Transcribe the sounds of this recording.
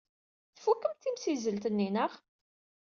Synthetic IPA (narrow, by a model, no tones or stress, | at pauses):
θfukːəmt̪ːimsizəlt̪ənːinəχ